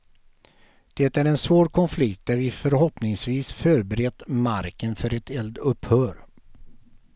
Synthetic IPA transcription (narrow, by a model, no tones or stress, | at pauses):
d̪̥ɛt̪æɾɛnsvoːɾkʰɔnflɪkt̪̚d̪æɾvɪfœɾɦɔpnɪŋsviːsfœːɾbɛɾɛd̪maɾkənfœɾɛt̪ʰɛld̪ɵphœːɾ